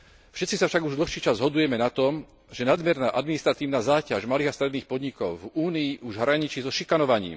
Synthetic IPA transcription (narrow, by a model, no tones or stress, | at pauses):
fʃɛtt͡sisafʃaɡuʒd̪l̩xʃiːt͡ʃazzɦɔd̪ujɛmɛnat̪ɔm | ʒɛnad̪mjɛɾnaːʔad̪minist̪ɾat̪iːʊnazaːcaʒmaliːɣast̪ɾɛd̪niːxpɔd̪ɲikɔʊvuːniːʔuʒɦɾaɲit͡ʃizɔʃikanɔʋaɲḭːm